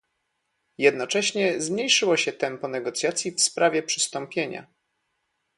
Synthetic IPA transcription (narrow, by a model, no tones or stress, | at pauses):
jɛd̪nɔt͡ʂɛɕɲɛzmɲejʂɘwɔɕɛt̪ɛmpɔnɛɡɔt̪sʲjat̪sʲjifspɾavʲjɛpʂɘ̥st̪ɔmpʲjeɲa̰